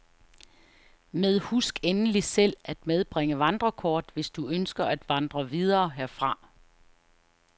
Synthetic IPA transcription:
með̞ˠhusɡ̥enəlisel̰æd̥með̞ˠb̥ʁeŋəʋɑ̈nd̥ʁɐkʰɒːd̥ʋe̝sd̥uønsɡ̥ɐʔæd̥ʋɑ̈nd̥ʁɐʋið̞ˠɐːɦeɐfʁɑ̈

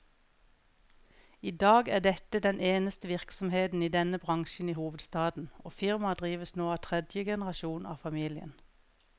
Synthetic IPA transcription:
iːd̪ɑːɡæːɖɛt̪əd̪ɛnʔeːnəst̪əʋɪʁksɔmheːt̪n̩iːd̪ɛnəbʁɑŋʃn̩iːhuːʋəd̪st̪ɑːd̪n̩ʔoːfɪʁmɑd̪ʁiːʋəsnoːɑːt̪ʰʁɛd̪jəɡɛnəʁɑʃuːnɑ̰ːfɑmiːlɪə̰n

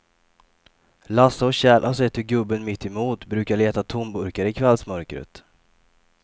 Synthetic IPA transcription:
lasːaɔɕɛːlʔasɛt̪ʰːɪɡɵbːənmɪt̪ʰːɪmuːt̪bɾʉ̟ːkaɭeːt̪at̪ʰʊmbɵɾkaɾəɪkʰvɛlsmœɾkɾə̰t̪

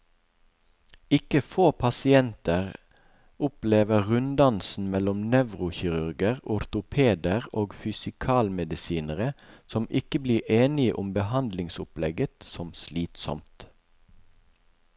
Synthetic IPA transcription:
ɪkəfoːpʰɑsɪɛnt̪əʁ | ʊpleːʋəʁʉnd̪ɑnsn̩mɛlɔmnɛʋʁʊçɪʁʉʁɡəʁʊɾt̪ʊpʰeːd̪əʁoːɡfʏsɪkʰɑːlmɛd̪ɪsiːnəʁəsɔmʔɪkəbliːʔeːnɪəʔʊmbəhɑnd̪lɪŋsʊplɛɡət̪sɔmsliːt̪sɔ̰mt̪

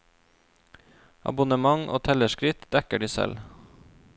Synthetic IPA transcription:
ʔɑ̰bʊnəmɑŋʔo̰ːt̪ʰɛləʃkɾɪt̪d̪ɛkəɖiːsɛ̰l

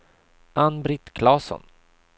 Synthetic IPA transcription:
ʔanbɾɪt̪kʰlɑːsɔ̰n

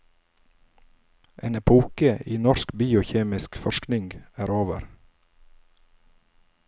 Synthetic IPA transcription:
ʔeːnɛpʰuːkəiːnɔskbiːʊçeːmɪskfɔʃknɪŋɡæːɾoːʋəɾ

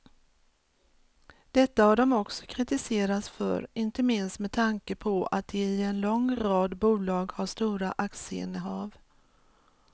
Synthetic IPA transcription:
d̪̥ɛt̪ːahaɖɔmɔksɔ̥kʰɾɪt̪ɪseːɾat̪sfœ̰ɾɪnt̪əmɪnst̪mɛt̪ʰaŋkəpʰɔa̰t̪̚d̪ɛɪɛnlɔŋɾɑːd̪buːlɑːɡhaʂt̪uːɾaʔaksəɪ̰nːəɦɑːv

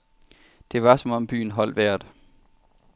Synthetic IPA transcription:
d̥e̝ʋɑ̈sɒ̽mɒ̽mb̥y̰ːn̩ɦɒ̽l̰ʋæɐ̰d̥

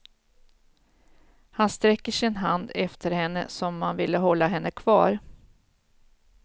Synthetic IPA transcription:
hanst̪ɾɛkːəʂɪnɦand̪ɛft̪ʰəɾhɛnːə̰sɔmːanvɪlːəɦɔlːaɦɛnːəkʰv̥ɑ̰ːɾ

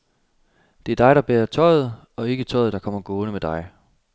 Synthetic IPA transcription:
d̥e̝æɐd̥ɑ̈ɪɾ̥ɑ̈b̥eɐt͡sʰɒ̽ɪð̞̩ˠ | ɒ̽e̝ɡ̥ət͡sʰɒ̽ɪðˠd̥ɑ̈kʰɒ̽m̰ɐɡ̥oːnəmed̥ɑ̈ɪ

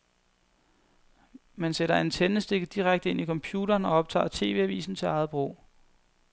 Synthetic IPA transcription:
mænseɾ̥ɐent͡sʰenəsd̥e̝ɡ̥d̥iʁaɡ̥̚d̥əe̝nʔikʰɒ̽mpʰjuːɾɐːnɒ̽ɒ̽b̥̚t͡sʰɑ̰̈ːt͡sʰe̝̰ːʋe̝̰æʋḭːsn̩t͡sʰe̝lɑ̈ɪð̩ˠb̥ʁo̰ː

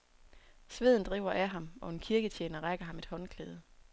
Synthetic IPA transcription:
sʋe̝ð̞̰ˠn̩d̥ʁḭːʊɐʔæɦɑ̈mɒ̽e̝nkʰiɐɡ̥ət͡ɕʰjeːnɐʁaɡ̥ɐɦɑ̈me̝d̥hɒ̽nkʰleːð̞ˠə

